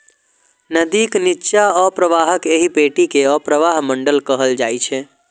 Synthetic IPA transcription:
nəd̪iknitːʃaɔpɾəʋaɦəkeɦipeʈikeɔpɾəʋaɦməɳɖəlkəɦəld͡ʒajt͡ʃʰɛ

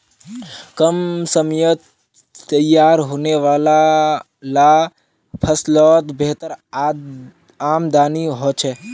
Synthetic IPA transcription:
kəmsəmjət̪ | t̪əjaːɾɦoneʋaːla | la | pʰəslɔːt̪beɦt̪əɾ | aːmd̪aːniɦot͡ʃʰe

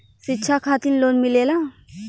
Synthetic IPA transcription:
sɪtːʃʰakʰaːt̪inloːnmɪleːla

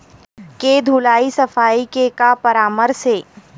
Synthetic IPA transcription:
ked̪ʱulaːisɐfaːikekapɐɾaːməɾseː

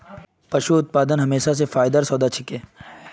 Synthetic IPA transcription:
pɐʃuʊt̪̚paːd̪ənɦɐmeːʃas̬efaːjd̪əɾsɔːd̪at͡ʃʰɪkeː

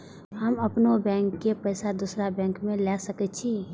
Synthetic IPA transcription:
həməpnobɛ̃ːŋkːepəɪsad̪usɾabɛ̃ːŋkmẽlɛsəkɛtt͡ʃʰi

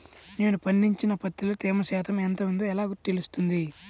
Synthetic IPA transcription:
ne̞ːnupɐnːiɲt͡ʃinɐpɐt̪ːilut̪eːmɐʃɛːt̪ɐmɛnt̪ɐund̪oːɛlaːɡut̪ːilust̪und̪i

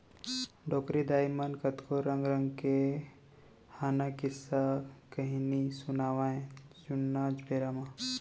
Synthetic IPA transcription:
ɖɔːkɾid̪aːjmankət̪koɾəŋɡɾəŋɡke | haːnakɪsːakəɦinisunaːʋaẽd͡ʒunːaːd͡ʒbʱeːɾama

